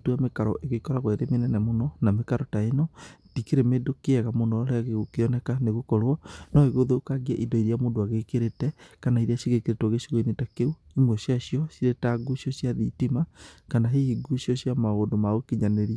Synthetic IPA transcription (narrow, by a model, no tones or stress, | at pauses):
tuamekaɾɔʔeɣekɔɾaɣwaeɾemenɛnɛmonɔnamekaɾɔtaenɔd̥ikeɾemedokeɛɣamonɔɾeaɣeokeɔnɛkaneɣokɔɾoɔnɔeɣoðokaɣiaʔidɔiɾiamoːndoaɣekeɾetɛkanaiɾiasiɣekeɾetɔɣeʃiɣoinetakeu | imwɛsiasjɔsiɾetaɡusiɔsjaðitimakanaɦeiɡusiɔɕjamaɣodomaɣokiɲaneɾia